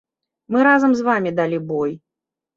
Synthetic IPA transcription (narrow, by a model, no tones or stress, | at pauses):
mɨɾazɐmzvamʲid̪alʲibɔj